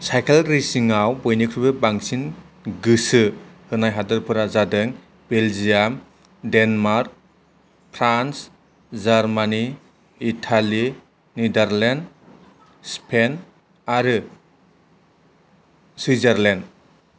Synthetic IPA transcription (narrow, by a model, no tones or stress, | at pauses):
sajkʰelɾisiŋawbojnikʰɾubɯbaŋsin | ɡɯsɯhɯnajɦadɯɾpʰɯɾazadɯŋ | beld͡ʒijam | denmaɾk̚ | pʰɾans | zaɾmaniː | tʰali | nidaɾlend | spʰen | aɾɯ | swizaɾlend